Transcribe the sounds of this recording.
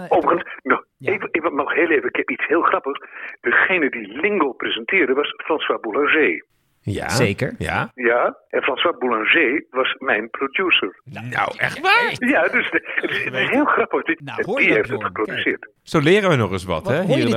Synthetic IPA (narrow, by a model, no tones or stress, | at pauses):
owvəχənsnɔ | evəɪkʋnɔχɦeːlˠejvənɪkɦɛpitshɪːlˠχrɑpəχsd̥əχejnədilɪŋɡoprezəntɪːɹdəʋɑsfrɑnswaːbulɑ̃ʒeː | ja̰ekəɹja̰jaʔɛnfrɑ̃nswaːbulɑ̃ʒeʋɑsmɛjnprodjusəɹna̰wɛ̰χʋajadøsətɪsətɪsɦeːlˠχrɑpəχdiɛndiɦejftətχə̥prodysɪːɹt | solɪːɾəʋənɔχəsʋɑ̰tɛɦi